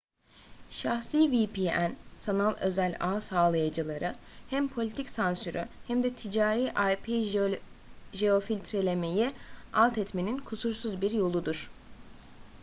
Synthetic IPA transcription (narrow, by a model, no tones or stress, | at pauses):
ʃaxsiːvipʰiːænsanalˠø̞̰zælʲaːsaːlˠajad͡ʒɯlˠaɾɯhæmpʰo̞lʲit̪ʰicsansyɾʔyhæmd̪ɛt̪ʰid͡ʒaːɾiːʔajpʰi | ʒeo̞filʲt̪ʰɾelʲe̞me̞jialˠt̪ʰɛt̪meninkʰusuɾsuzbiɾjo̞lˠud̪uɾ̥